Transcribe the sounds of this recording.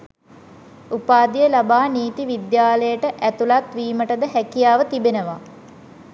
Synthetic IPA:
upaːd̪ijəlabaːniːt̪iʋid̪jaːləjəʈəʔæt̪ulat̪ʋiːməʈəd̪əɦækijaːʋət̪ibenəʋa

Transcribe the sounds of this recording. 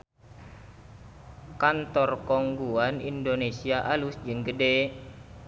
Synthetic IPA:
kant̪ɔrkɔŋɡuanḭndonesiaʔalusd͡ʒɨŋɡəde

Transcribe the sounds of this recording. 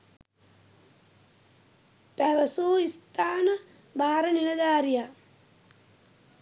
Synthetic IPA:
pæʋɐsoːist̪aːnɐ | baːɾɐnilɐd̪aːɾija

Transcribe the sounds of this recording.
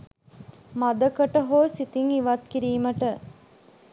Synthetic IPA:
mad̪əkəʈəɦoːsit̪iŋiʋɐt̪̚kiɾiːməʈə

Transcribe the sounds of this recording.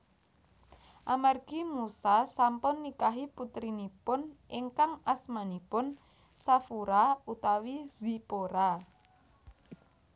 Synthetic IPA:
ʔamarɡ̥imusasampʊnːikaɦiput̪ɾinipʊnʔiŋkaŋasmanipʊn | safuɾaut̪awiz̥ipoɾa

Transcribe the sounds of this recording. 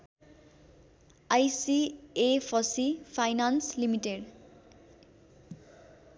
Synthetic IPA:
ajsiepʰʌsipʰajnanslimiʈeɖ

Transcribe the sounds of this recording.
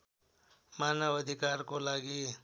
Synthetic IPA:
manəbʌd̪ʱikaɾkolaɡi

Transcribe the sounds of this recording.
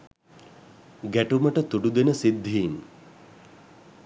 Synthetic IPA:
ɡæʈuməʈət̪uɖud̪enəsid̪ʱːiːn

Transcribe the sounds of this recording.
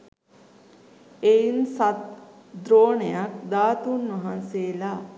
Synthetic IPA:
ejinsat̪ | d̪ɾoːɳejak̚d̪aːt̪unʋɐɦãnseːla

